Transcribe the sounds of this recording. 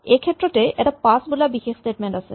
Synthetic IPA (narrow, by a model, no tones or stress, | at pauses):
ekʰet̪ːɾoʈeʔɛʈapasbulabixeʃsʈeʈmeɳʈasʰḛ